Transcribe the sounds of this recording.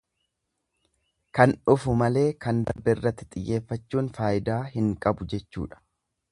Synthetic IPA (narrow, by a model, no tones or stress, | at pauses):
kɐnʊfʊmɐle̞ːkɐnd̪ɐ̰ɾbɛɪrːɐt̪ːɪ̥t̪ʼɪjːe̞ːfːɐt͡ʃːuːnfaːʔɪd̪aːɦɪŋkʼɐbʊd͡ʒɛt͡ʃːṵːᶑɐ̥